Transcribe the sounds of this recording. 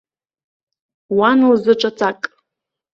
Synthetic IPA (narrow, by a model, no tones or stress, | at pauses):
wanuzɨʈ͡ʂʷʼat͡sʰakʼ